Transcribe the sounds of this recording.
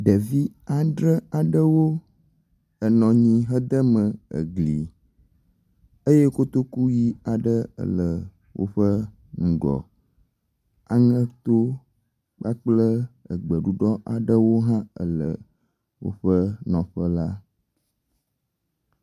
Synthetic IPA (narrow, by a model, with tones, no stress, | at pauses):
ɖə˨vi˦a˨ɖɾə˦a˨ɖə˦wo˦ | ə˨nɔ̃˨ɲĩ˦ɦə˦d̪ə˦mə̃˨ə̰˨ɡlḭ˨ | e˦je˦ko˦t̪o˦ku˦ji˦a˨ɖə˦ə̰˨lə˨ | wo̰˦ɸə˦ | ŋũ˨ɡɔ̰˨ | a˨ŋə̃˦t̪o˦ | k͡pa˦k͡plə˦ə̰˨ɡ͡bə˨ɖu˦ɖɔ˦ʔa˨ɖə˦wo˦ɦã˦ə̰˨lə̰˨ | wo̰˦ɸə˦nɔ̃˨ɸə˦la˦